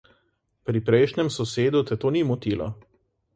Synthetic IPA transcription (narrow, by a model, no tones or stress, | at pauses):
pɾipɾɛjʃɲʲɛmsɔseːd̪ut̪ɛt̪oːnimɔt̪iːlɔ̰